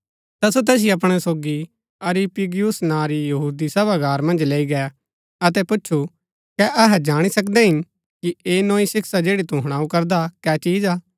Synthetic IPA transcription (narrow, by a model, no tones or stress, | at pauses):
t̪ɐsot̪ɛːs̬ɪiɐp̬ɽ̃ɛsoːɡi | ɐɾipiɡijʊsnãːɾijɐɦuːd̪isɐbaɡaːɾmɐ̃nd͡ʒleːiɡɛ | ɐt̪ɛpʊt͡ʃːt͡ʃʰu | kɛʔɐɦɛd͡ʒaːɽ̃isɐkd̪ɛɦɪn | kieːnõːisɪksad͡ʒeːɽit̪uɦɐɽ̃aːukɐɾd̪akɛːt͡ʃiːd͡ʒaː